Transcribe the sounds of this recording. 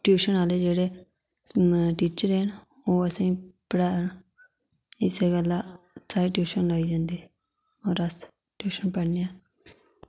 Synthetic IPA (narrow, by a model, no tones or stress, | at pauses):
ʈjuːʃənaːleːd͡ʒeːɽeː | ʈiːt͡ʃəɾən | oːəsĩːpəɽaːɳ | ɪseːɡəlːaː | saːɾiːʈjuːʃənloːiːd͡ʒãːnd̪iː | oːɾəs | ʈjuːʃənpəɽnijãː